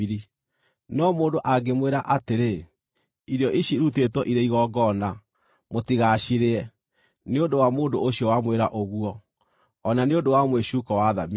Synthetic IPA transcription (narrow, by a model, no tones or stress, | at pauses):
ɾi | nɔmoːndoʔaɡemweɾaʔateɾe | iɾeɔʔiɕiɾut̬etwɔʔiɾeiɣɔɡɔna | motiɣaʃiɾeɛ | neondowamoːndooɕiɔwamweɾaʔoɣuɔː | naneondowamweʃuːkɔwaðami